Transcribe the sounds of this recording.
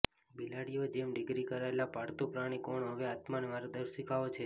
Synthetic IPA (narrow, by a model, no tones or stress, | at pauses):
bilaɽijod͡ʒemɖɪɡɾikəɾaelapaɽt̪opɾaɽ̃ikoɳɦəʋeat̪manemaɾod̪əɾʃikaot͡ʃʰe